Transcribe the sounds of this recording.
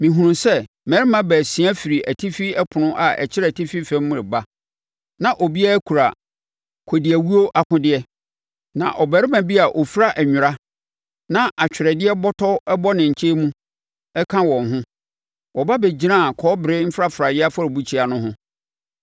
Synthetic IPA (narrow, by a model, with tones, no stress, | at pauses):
mĩ˨ɦũ˨nũ˨sɛ˦ | mɛ˨ɾɪ˦mã˦bæː˨sĩ˨˦a˦fi˨ɾi˨æ˨tʰi˦fi˦ɛ˦pʰʊ̃˨nʊ̃˦ʔa˨ʔɛ̰˨t͡ɕʰɪ˦ɾɛ˨tʰi˦fi˦fɛ̃˦m˦mʊ̃˦ɾɪ˨ba˦ | nã˨ʔɔ˨bi˦a˦æ˦kʰu˨ɾa˨ | kʰo˨dɪ˨æ˨wu˦o˦ʔa˨kʰʊ̃˦dɪ˦ɛ˦ | nã̰˨ʔɔ˨bæ˨˦ɾɪ˦mã˨bi˦a˨ʔɔ˨fɾa˦ʔɛ˨ɲᶣʊ˨ɾa˦ | nã˦ʔa˨t͡ɕᶣʰɪ˨ɾɛ˨dɪ˦ɛ˦bɔ˦tʰɔ˦ɛ˦bɔ˦nɪ̃˨ɲ̩˨t͡ɕʰe˦mũ˦ | ɛ˦kʰã˦wɔ̃˨n˨ɦʊ̃˦ | wɔ˨ba˦bɛ˨d͡ʑi˦ã˦˨kʰɔː˨˦bɪ˨ɾɪ˦m̩˦fɾa˦fɾa˨dɪ˦a˦fa˦ɾbu˦t͡ɕʰi˦a˨nʊ̃˦ɦʊ̃˦